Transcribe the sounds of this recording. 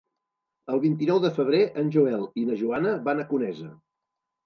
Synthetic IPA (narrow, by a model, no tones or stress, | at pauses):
əlˠβint̪̬inɔwðəfəβ̞ɾeʔənʲʒuɛlˠinəʒuanəβanəkunɛzə